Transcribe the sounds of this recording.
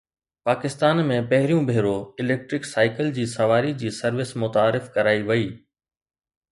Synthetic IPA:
paːkɪst̪aːnmẽpɐɦɪɾijũbʱeːɾoɪleːk̚ʈɾɪksaːɪkəld͡ʑiːsɐʋaːɾid͡ʑiːsɐɾʋɪsmʊt̪aːɾɪfkɐɾaːiʋɐiː

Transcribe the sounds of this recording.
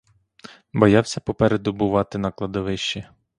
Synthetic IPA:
bɔjɑwsʲɐpɔpɛɾed̪ʊbʊʋɑt̪ɪnɐklˠɐd̪ɔʋɪʃt͡ʃi

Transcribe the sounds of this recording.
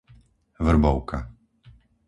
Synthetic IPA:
vr̩bɔʊka̰

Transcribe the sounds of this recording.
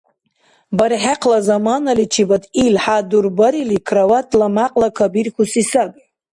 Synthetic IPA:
baɾiħaqʰlazamanalit͡ʃʰibat̪ʰʼilħad̪uɾbaɾilikʰrawatʰlamaqʼlakʰabiɾkʰusisabʼ

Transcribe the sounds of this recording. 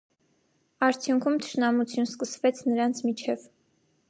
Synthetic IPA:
ɑɾt͡sʰjuŋkʰumt̪ʰə̥ʃnɑmut͡sʰjunskəsvɛt͡sʰnəɾɑnt͡sʰmit͡ʃʰɛv

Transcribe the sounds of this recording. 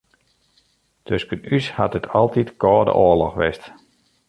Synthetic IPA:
tøskənyshatətʰɑlˠtitkɔːdə̰ʔoəlɔxʋɪst

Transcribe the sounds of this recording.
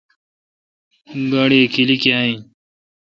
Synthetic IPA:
ɡaɽiːkʰilikjaːĩ

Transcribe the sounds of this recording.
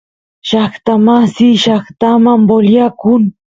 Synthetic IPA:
ʃaχt̪amasiʃaχt̪amamboljakʊŋ

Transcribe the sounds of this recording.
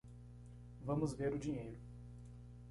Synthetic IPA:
vɐ̃mʊzveɾʊd͡ʒiɲejɾʊ

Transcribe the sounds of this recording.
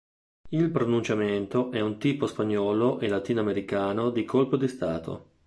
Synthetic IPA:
ilpɾonunt͡ʃament̪oʔɛunt̪iːpospaɲːɔːloʔelat̪iːnoameɾikaːnod̪ikʰolpod̪ist̪aːt̪ʰo̰

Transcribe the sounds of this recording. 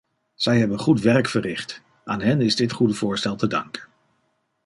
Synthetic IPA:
z̥ɛjɦɛbənχutʋɛɹkfərɪχt | aːnɦɛnɪzdɪtχudəvʊːɹstɛlˠtədɑ̰ŋkən

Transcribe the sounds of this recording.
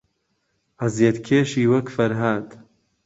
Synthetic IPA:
ɐzjet̪kʰeːʃiːwɐkfɐɾɦaːd̪

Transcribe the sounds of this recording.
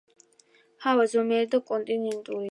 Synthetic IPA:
hawazɔmɛːɾd̪ɔkʼɔnt̪ʼinĩnt̪ʼuɾi

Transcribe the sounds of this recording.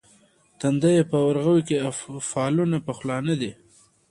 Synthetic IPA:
t̪and̪ajepəwaɾɣəwikeafɑːlunapəxlɑnəd̪i

